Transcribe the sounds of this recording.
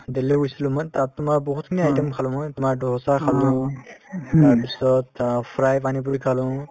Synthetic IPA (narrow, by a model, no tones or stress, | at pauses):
d̪eleujsilumant̪ap̚t̪umaɾbɔɦut̪ʰkʰiniajʈəmkʰalɔ̃mɔjt̪umaɾdɔɦsakʰalɔ̃ | t̪aɾpisɔt̪pʰɾajpanip̬uɾikʰalɔ̃